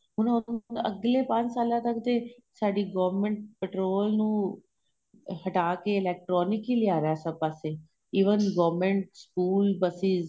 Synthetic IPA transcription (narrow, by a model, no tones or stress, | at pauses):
ɦʊnãə̰ɡlepãːt͡ʃsaːlãt̪əkt̪e | saːɖiɡɔːʋmẽɳʈ̚peʈɾoːlnũ | hɐʈaːkeːleːk̚ʈɾɔːnɪkiliaːɾjasəpaːse | iːʋənɡɔːʋmẽɳʈskuːlbəsiz